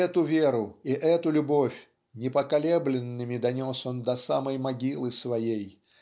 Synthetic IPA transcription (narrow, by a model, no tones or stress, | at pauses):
ɛt̪ʊvʲeɾʊiʔɛt̪ʊlʲʊbo̞fʲ | nʲɪpəkɐlʲeblʲɪnːɨmʲɪd̪ɐnʲo̞so̞nd̪ɐsaməjmɐɡʲilˠɨsvɐjej